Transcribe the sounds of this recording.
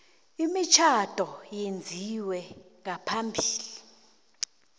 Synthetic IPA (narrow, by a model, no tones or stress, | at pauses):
imit͡ʃʰad̥ʼʱɔjend͡zʱiwɛŋapʰambʱiːli